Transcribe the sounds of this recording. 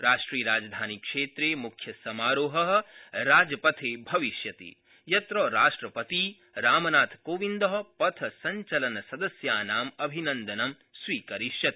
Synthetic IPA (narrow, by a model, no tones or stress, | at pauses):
ɾaːʂʈɾiːɐɾaːd͡ʒɐd̪ʱaːnikʂeːt̪ɾeːmukʰjɐsɐmaːɾoːɦɐɦ̆ɾaːd͡ʒɐpɐt̪ʰeːbʱɐʋiʃjɐt̪ḭ | jɐt̪ɾoːɾaːʂʈɾɐpɐt̪i | ɾaːmɐnaːt̪ʰkoːʋind̪ɐɦɐ̆pɐt̪ʰɐsɐɲt͡ʃɐlɐnɐsɐd̪ɐsjaːnaːmɐbʱinɐ̃nd̪ɐnɐm | sʋiːkɐɾiʃjɐt̪i̥